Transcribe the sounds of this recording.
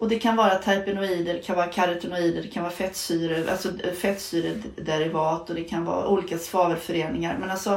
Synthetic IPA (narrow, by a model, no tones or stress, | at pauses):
ʔɔd̪ɛkʰanvɑːɾat̪ʰajpənʊiːd̪əɖɛkʰanvɑːɾakʰaɾɛt̪ʊnʊiːd̪əɖɛkʰanvɑːɾafɛt̪ːsyːɾəʔa̰lsɔfɛt̪ːsyːɾəd̪ɛɾɪvɑːt̪ɔd̪ɛkʰanvɑ̰ːɾa̰ʔuːliːkasvɑːvəɾfœɾeːnɪŋaɾmɛnalsɔ